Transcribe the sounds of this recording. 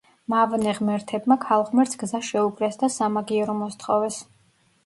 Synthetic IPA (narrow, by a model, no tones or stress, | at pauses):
mavnɛʁmɛɾt̪ʰɛb̚makʰalˠʁmɛɾt̪sʰɡ̥zaʃɛuɡɾɛsd̪asamaɡiɛɾɔmɔst̪ʰχɔvɛs